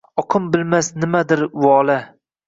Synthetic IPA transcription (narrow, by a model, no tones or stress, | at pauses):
ɒqʰɨmbɪlmasnɪmad̪ɪɾwɒːla